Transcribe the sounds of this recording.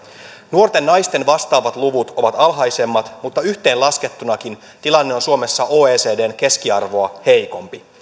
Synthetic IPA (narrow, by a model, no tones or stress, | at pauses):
nuo̞rt̪e̞nːɑjst̪e̞nʋɑst̪ɑːʋɑt̪luʋut̪o̞ʋɑt̪ɑlɦɑjse̞mːɑt̪mut̪ːɑyçt̪e̞ːlɑske̞t̪ːunɑkin | t̪ilɑnːe̞onsuo̞me̞sːɑʔo̞ːeːse̞ːdeːnke̞skiɑrʋo̞ɑhe̞jko̞mpi